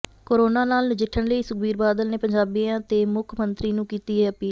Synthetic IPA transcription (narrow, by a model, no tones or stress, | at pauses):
koːɾoːnaːnaːlnɪd͡ʒɪʈʰːəɳləiːsʊkbiːɾbaːd̪əlneːpəɲd͡ʒaːbiːãːt̪eːmʊkʰmənt̪ɾiːnũːkiːt̪iːɦɛːəpiː